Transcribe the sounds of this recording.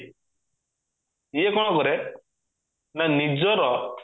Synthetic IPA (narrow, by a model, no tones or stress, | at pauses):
jekɔɽ̃ɔkɔɾɛ | nanid͡ʒɔɾɔ